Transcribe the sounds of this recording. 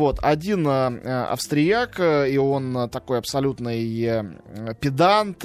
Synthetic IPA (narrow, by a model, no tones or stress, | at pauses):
vo̞t̪ɐdʲinɐ̰fst̪ɾʲɪjakio̞nt̪ɐko̞jɐpsɐlʲut̪nɨj | pʲɪd̪ant̪